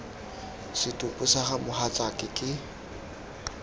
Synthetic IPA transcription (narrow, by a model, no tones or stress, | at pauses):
sɪtʼʊpʼʊsaχamʊhat͡ɬʼakʼɪkʼɪ